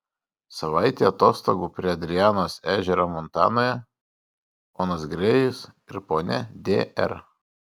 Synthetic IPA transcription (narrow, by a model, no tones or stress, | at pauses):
sɐʋɑɪt̪ʲeːɐt̪oːst̪oɡuːpʲɾʲiɛɐd̪ʲɾʲɪjæːnoːsæːʒʲɛɾɐmɔnt̪ɑ̰ːnoːjɛ | poːnɐsɡɾʲɛjɪsɪɾpoːnʲɛd̪ʲḛːɛ̰ɾ